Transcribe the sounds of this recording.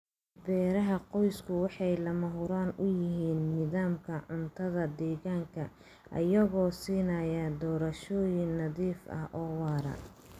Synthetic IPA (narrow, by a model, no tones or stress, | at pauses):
bɛːɾɐɦɐqɔjskʰʊwɑħɑjlɐmɐɦʊɾaːnʊjɪɦiːnnɪðaːmkʰɐʕʊnt̪ʰɐðɐd̪ɛːɣaːŋkʰɐ | ʔɐ̰jɐɣɔːsiːnɐjɐd̪ɔːɾɐʃɔːjɪŋnɐðiːfɐ̰hʔɔːwɑːɾɐ̰